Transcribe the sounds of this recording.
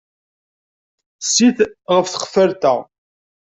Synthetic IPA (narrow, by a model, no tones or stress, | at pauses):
sːiθʁəfθəχəfəɾt̪æ